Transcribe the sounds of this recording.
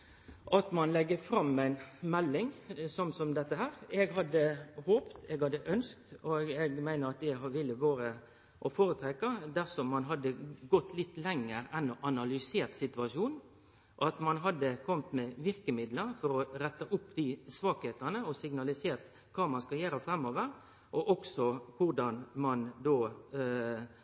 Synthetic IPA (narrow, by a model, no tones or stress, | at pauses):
ʔɑt̪mɑnlɛɡːəfɾɑmːæɪnmɛlːɪŋsɔmsɔmd̪ɛt̪ːəhæːɾɛɡhɑd̪ːəhoːpt̪ɛɡhɑd̪ːəʔœnsk̚t̪ɔɡɛɡmæɪnəɾɑt̪̚d̪ɛʋɪlːəʋɑːɾə | ʔɔfoːɾət̪ʰɾɛkɑd̪æɾsɔmːɑnɦɑd̪ːəɡɔt̪ːlɪt̪ːlɛŋːəɾɛnɔʔɑnɑlʏseːt̪sɪt̪ʉɑʂuːn | ʔɑt̪mɑnɦɑd̪ːəkʰɔmt̪mɛʋɪɾkəmɪd̪ləfɔɾɔɾɛt̪ːəʔʊpːd̪ɪsʋɑːkheːt̪ənəɔsɪɡnɑlɪseːɾt̪ | kʰɑːmɑnskɑljøːɾəfɾɛmoːʋəɾ | ʔɔʔɔksɔkʰʊɾɖ̪ɑnmɑnd̪oː